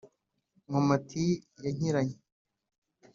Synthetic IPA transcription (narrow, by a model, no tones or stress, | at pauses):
ŋomatʰijaɲ̥iɾaɲe